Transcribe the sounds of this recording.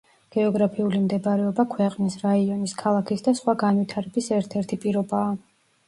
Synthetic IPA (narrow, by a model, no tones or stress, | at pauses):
ɡ̥ɛɔɡɾapʰiulimd̪ɛbaɾɛɔbakʰwɛqʼnisɾaiɔniskʰalˠakʰisd̪asχwaɡanwit̪ʰaɾɛbisɛɾt̪ʰɛɾt̪ʰipʼiɾɔbaː